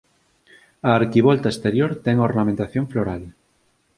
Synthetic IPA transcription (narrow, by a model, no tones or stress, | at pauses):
aːɾkiβ̞olt̪aest̪eɾjoɾt̪ɛŋoɾnamẽnt̪aθjoɱfloɾal